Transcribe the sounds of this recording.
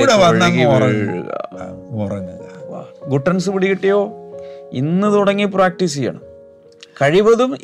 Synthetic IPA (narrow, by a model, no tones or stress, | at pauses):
ɽɐʋɐnːamkiorɐŋɻṵɣɐ̰orɐŋ | ɡuʈːɐns̬ɨpuɽikːiʈːejo̞ːinːɨt̪uɽɐŋːipraːk̚ʈis̬ija̰ːɳɐ̰m | kɐɻiʋɐðum